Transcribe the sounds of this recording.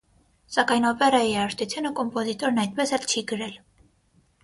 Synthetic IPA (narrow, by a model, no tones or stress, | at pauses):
sɑkɑjnɔpɛɾɑjiɑɾt̪ʰit͡sʰunəkʼɔmpɔzit̪ɔɾnɑjd̪̚pɛsɛlt͡ʃʰiɡəɾɛl